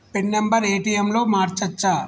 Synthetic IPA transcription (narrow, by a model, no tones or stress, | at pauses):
peɳːembɐɾeːʈijɐmlo̞ːmaːɾt͡ʃɐt͡ʃːaː